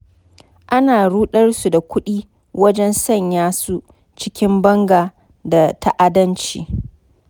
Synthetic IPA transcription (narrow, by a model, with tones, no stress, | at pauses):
ʔa˦naː˨ɽuː˦ɗɐ˦rsu˨da˨kʷʊ˦ɗiː˦ | wɐ˦d͡ʒɛ˦nsɐ˦˨ɲjaː˦su˦ | t͡ʃɪ˦kʲɪ˦mbɐ˦ŋɡaː˨ | da˨tʰa˦ʔa˦dɐ˦nt͡ʃḭː˨